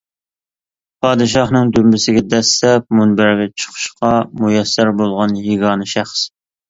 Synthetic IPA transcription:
pʰɑːd̪ɨʃ̬ɑχnɨŋd̪ymbɪsɪɡʲɛd̪ɛst̪ɛp̚munbæɾɡʲɛt͡ʃʰə̥qʰʊ̥ʃqʰɑmujɛsːæɾbolˠʁɑnɦiɡɑːnɨʃæχs

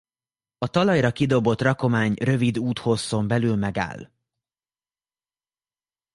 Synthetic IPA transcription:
ɒt̪ɒlɒjrɒkid̪o̞bot̪rɒko̞maːɲrø̞vid̪uːt̪ho̞sːo̞mbɛlyːlmɛɡa̰ːl

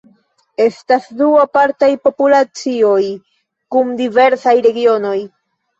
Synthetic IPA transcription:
e̞stasduapaɾtajpo̞pulat͡sio̞j | kumdive̞ɾsajɾe̞ɡio̞no̞j

